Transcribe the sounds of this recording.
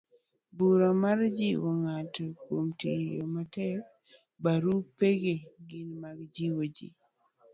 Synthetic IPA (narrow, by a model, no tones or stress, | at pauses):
buɾomaɾd͡ʒiwoŋatɔkomtijo̰matɛk | baɾupeɡeɡɪnmaɡd͡ʒiwod͡ʒḭ